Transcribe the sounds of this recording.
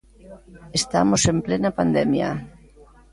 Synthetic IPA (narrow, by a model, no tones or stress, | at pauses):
est̪a̰mosemplenapand̪ɛmja̰